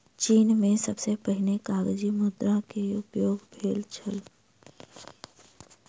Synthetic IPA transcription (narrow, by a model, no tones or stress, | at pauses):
t͡ʃiːnmẽsəbsepəɦɪlekaːɡd͡ʒimʊd̪ɾãkeʊpjoːɡbʱeːlt͡ʃʰəl